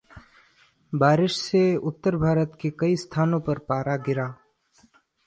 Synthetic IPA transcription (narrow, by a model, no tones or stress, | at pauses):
baːɾɪʃseʊt̪ːəɾbʱaːɾət̪kekɐist̪ʰaːnõpɐɾpaːɾaɡɪɾaː